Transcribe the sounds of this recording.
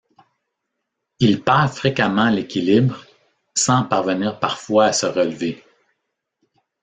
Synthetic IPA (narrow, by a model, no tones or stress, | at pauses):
ilpaːʁfʁekamɑ̃lekʲilibʁ | sɑ̃paʁvəniːʁpaʁfwaːsəʁəlve